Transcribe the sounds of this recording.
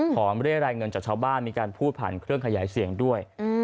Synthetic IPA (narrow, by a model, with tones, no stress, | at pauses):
pʰɔː˩˦mɾɯ˥˩əɾaː˧jŋɤ˧nt͡ɕaː˨˩k̚t͡ɕʰaː˧wbaː˥˩nmiː˧kaː˧npʰuː˥˩t̪̚pʰa̰˨˩nkʰɾɯ˥˩əŋkʰa˧jaː˩˦jsi˨˩əŋdu˥˩əj